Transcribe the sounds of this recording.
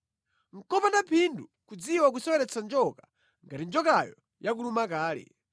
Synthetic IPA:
ŋ̩kɔpandapʰindukud͡ziwak̬usɔwɛɾɛt͡sʰand͡ʒɔkḁ | ŋɡatind͡ʒɔkajɔ | jak̬ulumakaːlɛ̰

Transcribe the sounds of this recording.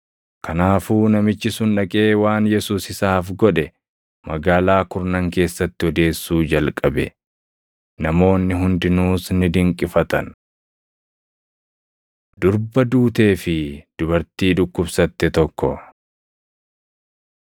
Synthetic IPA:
kɐnaːfuːnɐmɪt͡ʃːɪsʊnᶑɐkʼe̞ːwaːnjɛsuːsɪsaːfɡɔᶑɛ | mɐɡaːlaːkʊɾnɐŋke̞ːsːɐt̪ːɪɔd̪e̞ːsːuːd͡ʒɐlkʼɐbɛ̰ | nɐmo̞ːnːɪɦʊnd̪ɪnuːsnɪd̪ɪŋkʼːɪfɐt̪ɐ̰n | d̪̥ʊɾbɐd̪uːt̪e̞ːfɪd̪̥ʊbɐɾt̪iːᶑʊkːʊbsɐt̪ːɛt̪ɔkːɔ̰

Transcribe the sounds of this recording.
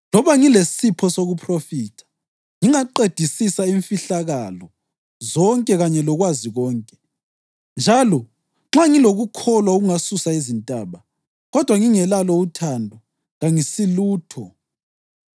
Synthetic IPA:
lɔβaŋilesipʰɔsoɣupʰrofiːtʰḁ | ŋiŋaǃed̥ʱisisaiɱfiɬaɣalɔ | zɔŋkʼɛɣaɲɛlɔɣwaziɣɔːŋkʼɛ | nd͡ʒʱalɔ | ŋ͡ǁaŋiloɣukʰɔlwaoɣuŋasusaizintʼaβa | ɣɔd̥ʱwaŋiŋɛlalɔutʰandʱɔ | ŋaŋisiluːtʰɔ

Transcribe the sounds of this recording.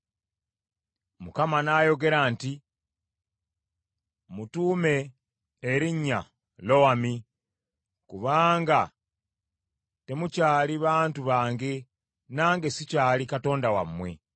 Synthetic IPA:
mukamanajo̞ɡe̞ɾaːnti | mutuːme̞ː | ɾiɲːa | lo̞wami | kuβaːŋɡa | te̞mucaːliβaːntuβaːŋɡe̞ | naːŋɡe̞sicaːlikato̞ːndawamːwe̞̰

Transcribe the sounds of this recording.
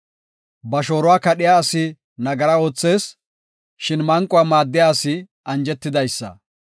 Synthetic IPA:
bɐʃo̞ːɾʊwaːkɐɗɪjaːsɪ | nɐɡɐɾɐo̞ːt͡sːe̞ːs | ʃɪnmɐŋkʼʊwaːmaːd̪ːɪjaːsɪ | ʔɐnd͡ʒɛt̪ːɪd̪ɐjsːɐ̰

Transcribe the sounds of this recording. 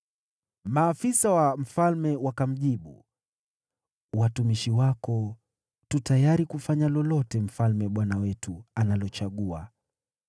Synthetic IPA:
maːfisawam̩falmɛwakam̩ʄiɓṵ | watumiʃiwakɔ | tutajaɾikufaɲalɔlɔtɛm̩falmɛɓwanawɛtuanalɔt͡ʃaɠua̰

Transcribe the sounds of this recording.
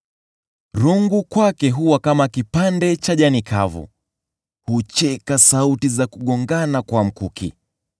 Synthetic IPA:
ɾuŋɡukwakɛɦuwakamakipandɛt͡ʃaʄanikʰa̰vṵ | hut͡ʃɛkasautizakuɠɔŋɡanakwam̩kukḭ

